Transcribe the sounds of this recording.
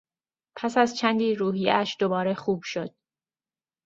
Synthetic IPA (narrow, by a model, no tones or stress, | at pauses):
pʰæsæzt͡ʃʰænd̪iːɾuːɦijḛʔæʃd̪o̞bɒːɾexuːb̥ʃo̞d̪̥̚